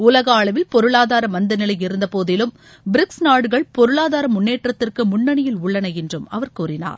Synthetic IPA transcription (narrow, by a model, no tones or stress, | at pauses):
ʊlɐɣɐːɭɐʋɪlpɔɾɯɭaːðaːɾɐmɐnd̪ɐnɪlɐjɪɾɯnd̪ɐpoːðɪlɯm | bɪɾɪksnaːɽɯɣɐɭpɔɾɯɭaːðaːɾɐmʊnːeːʈrɐt̪ːɪrkɯmʊɳːɐɳɪjɪlʊɭːɐnɐjɛndrɯmɐ̰ʋɐɾkuːrɪna̰ːɾ